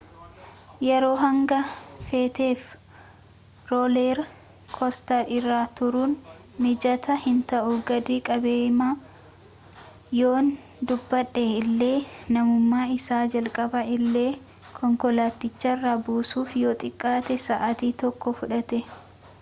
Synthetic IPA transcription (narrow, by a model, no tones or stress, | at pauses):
jɛɾo̞ːɦɐŋɡɐfeːt̪e̞ːf | ɾoːleːɾ | kʰɔst̪ɐɾɪrːaːt̪ʊɾun | mɪd͡ʒɐt̪ɐhɪnt̪ɐʔʊɡɐd̪iːkʼɐbeːma | jo̞ːn | d̪ʊbːɐᶑːɛɪlːe̞ːnɐmʊmːaːɪsaːd͡ʒɐlkʼɐbɐɪlːe̞ː | kʰɔŋkɔlaːt̪ːɪt͡ʃːɐrːabuːsuːfjoːt̪ʼɪkʼːaːt̪ɛsɐʔɐt̪iːt̪ɔkːɔfʊᶑɐt̪ɛ